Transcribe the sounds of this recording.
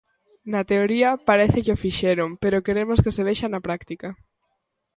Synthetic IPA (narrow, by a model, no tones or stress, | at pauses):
nat̪eoɾiɐpaɾeθɪkeofiʃeɾompeɾokeɾemoskeseβ̞eʃanapɾakt̪ika